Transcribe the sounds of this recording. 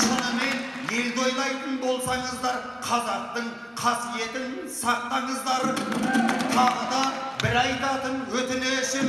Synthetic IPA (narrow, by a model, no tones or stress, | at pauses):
ʃɑnəme̞n | je̞ld̪o̞jlˠɑjt̪ənbo̞lˠsɑɴəzd̪ɑɾ | qʰɑzɑq̚t̪əɴ | qʰɑsije̞t̪ɪn | sɑq̚t̪ɑɴəzd̪ɑɾə | t̪ʰɑʁəd̪ɑbɪɾɑjd̪ɑt̪ənwɵt̪ɪneʃɪm